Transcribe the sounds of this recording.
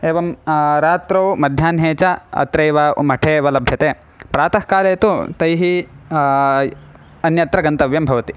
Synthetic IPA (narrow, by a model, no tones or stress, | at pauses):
eːʋɐmɾaːt̪ɾɐwmɐd̪ʱjaːnɦeːt͡ʃɐɐ̰t̪ɾɐjʋɐmɐʈʰeːʋɐlɐbʱjɐt̪eː | pɾaːt̪ɐhkaːleːt̪ut̪ɐjɦi | ɐnjɐt̪ɾɐɡɐnt̪ɐʋjɐmbʱɐʋɐt̪i